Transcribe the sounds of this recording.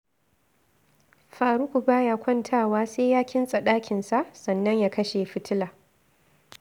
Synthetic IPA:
ɸaː˨ɾʊ˦kʷu˨baː˦jaː˦kʷɔ˦ntʰaː˦˨waː˦seː˦jaː˦kʲɪ˦nsʼɐ˨ɗaː˦kʲɪ˨nsa˦ʔsɐ˨nːɐ˦ɲjaː˦kɐ˦ʃeː˨ɸɪ˦tʰɪ˦laː˨

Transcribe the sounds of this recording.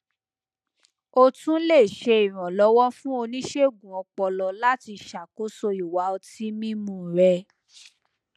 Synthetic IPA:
o˧tũ˦le˦˨ʃe˧i˨ɾ̃ã˨lɔ˨˦wɔ˦fũ˦o˧nĩ˦ʃe˦˨ɡũ˨ɔ̃˨˧k͡pɔ˧lɔ˨la˦ti˧ʃa˨ko˨˦so˧i˨wa˨˦o˧ti˦mĩ˦mũ˦˨ɾɛ˧

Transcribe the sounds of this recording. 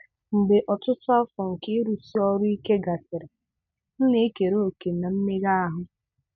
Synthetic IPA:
ŋ͡m̩˨ɡ͡be˨ʔɔ˨tʊ˦tʊ˦a˦fɔ˨ŋ̩˨ke˦e˦ɾu˨si˦ɔ˦ɾʊ˦i˦ke˦ɡa˨sɪ˨ɾɪ˨ | n̩˦ne˦e˦ke˨ɾo˦o˨ke˨na˨m̩˦me˦ɣa˦a˦ɦʊ˦

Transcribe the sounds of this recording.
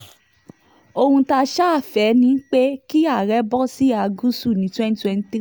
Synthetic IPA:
o˧hũ˧ta˦ʃa˦a˦˨fɛ˨˦nĩ˦k͡pe˦ki˦a˦˨ɾɛ˨˦bɔ˦si˦a˨˧ɡũ˦stu˦˨nĩ˨˦twɛ̃˦ni˦twɛ̃˦n˦tɾi˦

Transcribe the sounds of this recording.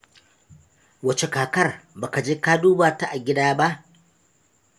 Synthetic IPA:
wɐ˨t͡ʃe˨kaː˨kɐ˦rbaː˨ka˨d͡ʒeː˦kaː˦duː˦baː˨ta˦ʔa˨ɡʲɪ˦daː˦ba˦ʔ

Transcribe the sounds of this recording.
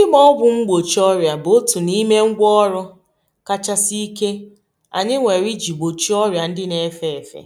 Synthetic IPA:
ɪ˦mɔ˦ɔ˦bʊ˨ŋ͡m̩˦ɡ͡bo˨t͡ʃɔ˦ɾja˨bo˦tu˨ni˦me˦ŋ̩˦ɡʷɔ˦ɾɔ˦ | ka˦t͡ʃa˦si˦ke˦ | a̰˨ɲɪ˦ŋʷe˨ɾi˦d͡ʒi˨ɡ͡bo˨t͡ʃi˦ɔ˦ɾja˨n̩˦dɪ˦ne˦fe˦˨fḛ˨

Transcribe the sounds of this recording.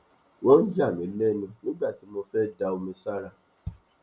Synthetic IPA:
wɔ̃˦n̩˦d͡ʒa˦˨mĩ˨˦lɛ˦˨nĩ˧nĩ˦ɡ͡ba˦˨ti˨˦mo˧fɛ˦da˧o˧mĩ˧sa˦ɾa˦˨

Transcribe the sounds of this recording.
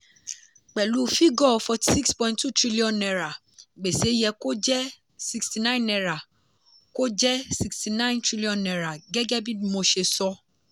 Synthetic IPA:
k͡pɛ˨lu˨˦fi˦ɡɔ˦˨fɔ˧ti̥˨si˦kspɔ̃˦ĩntu˦tɾi˦li˦ɔ̃˨nːɛ˨ɾa˨ | ɡ͡be˨se˨˦jɛ˧ko˦d͡ʒɛ˦ | si˧ksti˨nã˦nɛ˨ɾa˨ | ko˦d͡ʒɛ˦si˨ksti˨nã˦ɪ̃˦ntɾi˦li˦ɔ̃˨nːɛ˨ɾa˨ɡɛ˦ɡɛ˦bi˦dmo˨˧ʃe˨sɔ˦

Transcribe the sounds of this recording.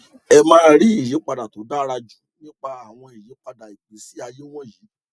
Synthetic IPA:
ɛ˧mãː˦ɾi˨˦i˦˨je˨˦k͡pa˧da˨to˨˦da˦ɾa˧d͡ʒu˨˦nĩ˦k͡pa˧a˨w̃ɔ̃˧i˨je˨˦k͡pa˧da˨i˨k͡pe˨˦si˨˦a˧je˦w̃ɔ̃˦˨jiː˨˦˨

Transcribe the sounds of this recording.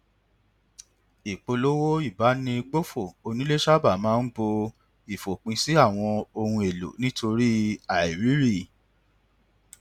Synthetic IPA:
i˨k͡po˧lo˦wo˦i˦˨ba˨˦nĩ˧ɡ͡bo˦fo˦˨o˧nĩ˦le˦ʃa˦˨ba˦˨mãː˦n̩˦bo˧ | i˨fo˨k͡pĩ˧si˦a˦˨w̃ɔ̃˧o˧hũ˧e˨lo̰˨nĩ˦to˧ɾi˦a˨i˨ɾi˨˦ɾi˦˨

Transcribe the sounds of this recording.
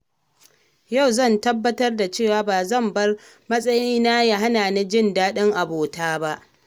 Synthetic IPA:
ja˦˨wzɐ˦˨ntɐ˦bːɐ˦tɐ˦rda˨t͡ʃeː˦˨waː˦baː˨zɐ˦˨mbɐ˦r | mɐ˦sʼɐ˦jiː˦naː˦ja˦ɦa˦naː˨ne˦d͡ʒɪ˦˨ndaː˦ɗɪ˦ŋʔa˨boː˨taː˦ba˦ʔ

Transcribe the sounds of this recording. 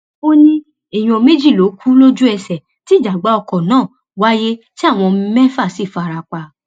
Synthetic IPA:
o˦nĩ˦ | e˨j̃ũ˧ɔ˧me˦d͡ʒi˦˨lo˨˦kʰu˦lo˦d͡ʒu˦ɛ˧sɛ˨ | ti˦˨d͡ʒa˨ɡ͡ba˨˦ɔ˧kɔ˨nãː˦˨ | wa˦je˦ti˦a˦˨w̃ɔ̃˧mɛ˦fa˦˨si˦˨fa˧ɾa˧k͡pa˧

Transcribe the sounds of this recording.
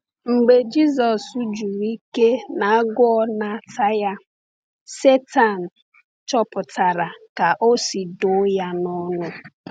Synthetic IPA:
ŋ͡m̩˨ɡ͡be˨d͡ʒi˦zɔ˨su˦d͡ʒu˨ɾi˦ke˦na˨a˦ɡʊ˦ɔ˦na˨ta˦ja˦ | se˦ta˨n̩˨ | t͡ʃɔ˦pʊ˨ta˨ɾa˨ka˨ʔo˦si˨dʊ˨˦ja˦nɔ˦nʊ˦

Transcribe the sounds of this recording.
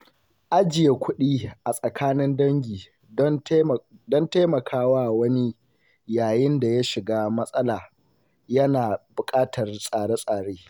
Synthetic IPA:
ʔa˦d͡ʒɪ˨je˨kʷʊ˦ɗiː˦ʔa˨sʼɐ˨kʰaː˦nɪ˦ndɐ˦ŋɡʲiː˨˦ | dɔ˦nte˦mɐ˨kʰaː˦waː˦wɐ˦ni˦ | jaː˨jɪ˦nda˨ja˦ʃɪ˨ɡaː˦mɐ˦sʼɐ˦laː˨ | jɐ˦naː˨bʊ˨kʼaː˦tʰɐ˨rsʼaː˨ɽe˦sʼaː˨ɽeː˦

